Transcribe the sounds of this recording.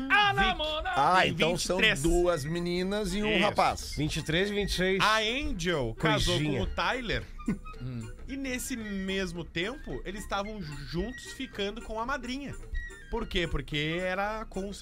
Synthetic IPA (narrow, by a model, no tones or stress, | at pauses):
anĩmod̪ɐaẽvɐ̃t͡ʃɪsɐ̃w̪ɾesd̪uɐzminĩnɐzɪũhapa̰svĩt͡ʃɪt̪ɾezɪvĩnt͡ʃɪ̥sejɐẽd͡ʒewkojazoikõɲmʊt̪ajleɾ̃ | ɪnesɪmezmʊt̪ẽmpʊelɪzst̪avɐ̃w̃ʒũnt̪ʊ̥sfikɐ̃nd̪ʊkõw̃ɐmad̪ɾĩɲɐ | poɾkepoɾkeɛɾɐkõw̃ʊs